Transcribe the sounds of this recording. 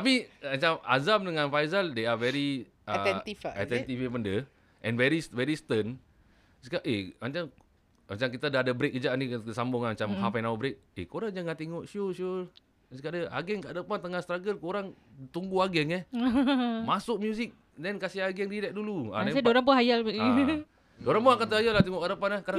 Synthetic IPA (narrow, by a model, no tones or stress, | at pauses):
t̪apiat͡ʃama̰zamdəŋãnfajzaldeavɛɾi | aɛt̪ifa̰t̪ɛnt̪ifebəndə | ʔɛ̰̃nvɛɾisvɛɾist̪ən | sə̥kaʔemat͡ʃam | mat͡ʃamkit̪adadəbɾek̚ːəd͡ʒaʔnisambʊŋamat͡ʃamhapɛnawəbɾek̚ekoɾaŋd͡ʒaŋaʔt̪eŋɔʔʃioʃo | skaʔdəa̰ɡɛŋkaʔdəpant̪əŋast̪ɾaɡərkoɾaŋ | t̪uŋɡuaɡɛŋɛh | masʊk̚mjusik̚ | dɛnkasiaɡɛŋdiɾɛʔ̚duluanãsadoɾaŋpɔɦajalb | doɾaŋpɔakant̪əhajalaht̪eŋɔʔkadəpanahka